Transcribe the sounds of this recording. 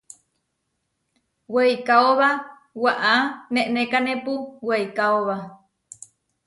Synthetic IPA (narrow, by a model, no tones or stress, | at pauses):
wejkaoβa | waʔaneʔnekanepuwejkaoβa